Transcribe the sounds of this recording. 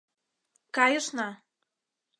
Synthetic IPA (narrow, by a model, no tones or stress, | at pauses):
kɑjəʃnɑ